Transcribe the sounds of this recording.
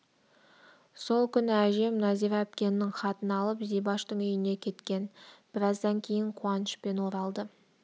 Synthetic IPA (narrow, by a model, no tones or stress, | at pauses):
so̞lˠkʲʰʏnɪæʒe̞mnɑzijɾɑp̚kʲe̞nːɪŋχɑt̪ənɑlˠəpzijbɑʃt̪əɴʏjɪne̞kʲʰe̞t̪kʲe̞nb̥ɪɾɑzd̪ɑŋkʲʰe̞jɪɴqʰuɑnəʃpe̞nwo̞ɾɑlˠd̪ə